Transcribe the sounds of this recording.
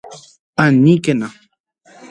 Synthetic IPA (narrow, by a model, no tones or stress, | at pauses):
anikena